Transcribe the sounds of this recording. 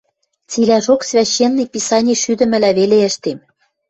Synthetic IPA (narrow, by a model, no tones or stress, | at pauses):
t͡silæʃoksvʲæɕːenːipʲisɑnʲiʃyd̪ə̆mɘ̆læβeleə̆ʃt̪em